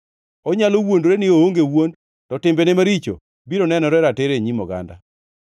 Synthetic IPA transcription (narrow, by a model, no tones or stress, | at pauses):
ɔɲalowondɾenɪooŋɡewond | tɔtɪmbenɛmaɾit͡ʃo̰ | biɾonɛnɔɾɛɾateɾeɲimɔɡa̰nda̰